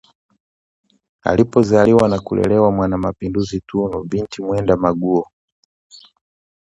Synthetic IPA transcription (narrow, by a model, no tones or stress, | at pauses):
a̰lipɔzaliwanakulɛ̰lɛwamwanamapinduzitʰunɔvintʰimwɛndamaɡuɔ